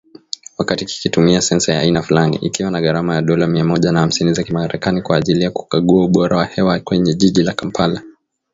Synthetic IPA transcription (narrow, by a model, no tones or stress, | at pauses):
wakatiki̥kitumiasɛnsaja̰ːinafulanḭʔikiwanaɣaɾamajaɗɔlamiamɔʄanaham̩sinizakimaɾɛkanikwaːʄilijaku̥kaɠuauɓɔɾawahɛwakwɛɲɛʄiʄilakam̩pʰala